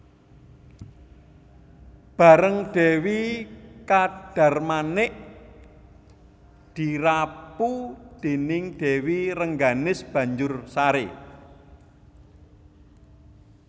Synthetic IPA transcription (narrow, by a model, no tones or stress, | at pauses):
b̥a̤ɾəŋɖ̥e̤wikaɖ̥a̤rmanɪʔ | d̪̥i̤ɾapud̪̥e̤nɪŋɖ̪̥e̤wiɾəŋɡanɪsb̥ä̤ɲd͡ʒʊrsaɾe